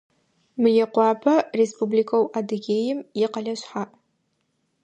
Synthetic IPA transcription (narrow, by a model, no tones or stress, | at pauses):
mɨjɛqʷɑːpʰɐrespʰublikʰowʔadɨɡʲeːjɪmjɪqɐɮɐɕħaʔ